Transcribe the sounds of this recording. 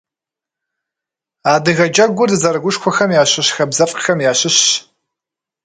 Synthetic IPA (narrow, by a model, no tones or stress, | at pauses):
aːdɨɣɐd͡ʒʼɐɡʷʊdɨzɐrɡʷʊʃkʷʰɔxɐmjaːɕɨɕxɐbzɐfʼxɐmjaːɕɪɕ